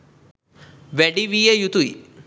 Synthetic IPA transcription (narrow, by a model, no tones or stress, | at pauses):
ʋeɖiʋiejut̪ui